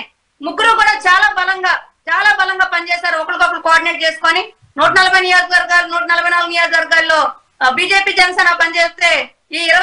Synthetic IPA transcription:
muɡːuɾukuːɽaːt͡ʃaːlaːbɐlɐŋɡaː | t͡ʃaːlaːbɐlɐŋɡaːpɐnit͡ʃeːsaːɾuɔkɐɽukɐkːɐɽukoaːɾɖineːʈ̚t͡ʃeːsu̥koːni | nuːʈɐnɐlɐbʱɐjnijoːd͡ʒʋɐɾɡaːɾnuːʈɐnɐlɐbʱɐjnaːluɡunijoːd͡ʒʋɐɾɡaːlːo̞ː | biːd͡ʒe̞ːpiːd͡ʒɛnɐseɛːnɐpɐnit͡ʃeːst̪e̞ː | iːɾɐ

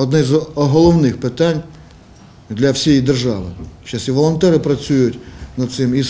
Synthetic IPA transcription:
ɔd̪nɛzɔɦɔlˠɔwnɪxpɪt̪ɑnʲ | d̪lʲɐwsʲijid̪erʒɑʋɪt͡ʃɑsʲiʋɔlˠɔnt̪ɛɾɪpɾɐt͡sʲujʊtʲnɐd̪tsɪmis

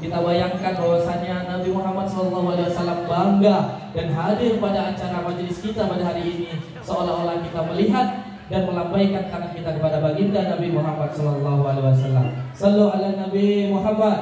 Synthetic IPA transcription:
kit̪abajaŋkanbawasanɲanabimuɦamat̪̚sɔlɔlːɑɦualewasalambaŋɡadanɦadɪrpadaːɲt͡ʃaɾamad͡ʒlɪskit̪apadaɦaɾiːni | səolaoɾahkit̪aməliɦat̪̚ | danməlampajkant̪aŋankit̪akəpadabaɡindanabimuɦamat̪̚sɔlɔlːɑɦualewasalːa̰msəlualanabimuɦamːat̪̚

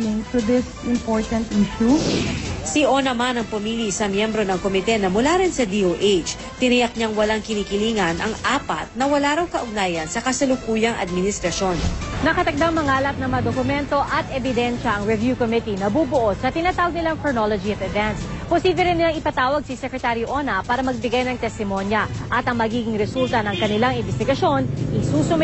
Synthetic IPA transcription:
mɪŋt̪ʊd̪ɪs | ɪmpoɹt̪ɐnt̪ʔiʃu | siʔonɐmanɐŋpɐmiːlisɐmjɛmbɾo̞nɐŋkomɪt̪ɛnɐmʊlaɾɪnsɐd̪iːʔowʔejt͡ʃ | t̪ɪnɐjɐk̚ɲaŋwɐlaŋkɪniːkɪliːŋɐnʔɐŋaːpɐ̰t̪̚nɐwɐlaːɾɐwkɐʔʊɡnaːjɐnsɐkɐsɐlʊkuːjɐŋʔɐ̰d̪̚mɪnɪst̪ɾɐʃo̞nnɐkɐt̪ɐk̚d̪aŋmɐŋaːlɐp̪̚nɐmɐd̪okʊmɛnt̪o̞ʔɐt̪ɛbɪd̪ɛnʃɐʔɐŋɹɛvjukomɪt̪inɐbuːbʊʔo̞d̪̚sɐt̪ɪnaːt̪aːwɐɡ̚nɪlaŋkonolod͡ʒiɐt̪ɐvɛnt̪sposiːblɛɾɪnːɪlaŋɪpɐt̪aːwɐɡ̚sɪsɛkɾɛt̪aɾiʔonɐpaːɾɐmɐɡ̚bɪɡajnɐŋt̪ɛst̪ɪmo̞njɐʔɐt̪ɐŋmɐɡiːɡɪŋɾɛsult̪ɐnɐŋkɐnɪlaŋɪnbɛst̪ɪɡɐʃo̞nʔɪsuːsʊm

